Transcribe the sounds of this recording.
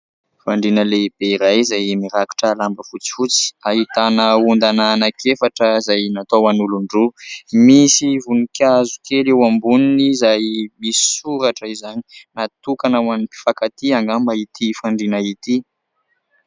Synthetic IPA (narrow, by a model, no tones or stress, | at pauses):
faɳɖ͡ʐinəleb̥eiɾajzajmiɾaki̥ʈ͡ʂəlambəfut͡si̥fut͡si̥aɦit̪anəund̪anaːnakʰefaʈ͡ʂəzajnat̪oanuluɳɖ͡ʐumisivunikazukelewambuninizajmisuɾaʈ͡ʂəizani̥nat̪ukanawanipi̥fakat̪iaŋɡambait̪ʰifaɳɖ͡ʐinait̪i